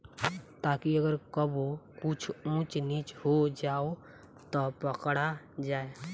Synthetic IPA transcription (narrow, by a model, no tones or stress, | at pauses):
t̪akiəɡəɾkəbokut͡ʃʰũt͡ʃnit͡ʃhod͡ʒao | t̪ɔpəkɽa | d͡ʒae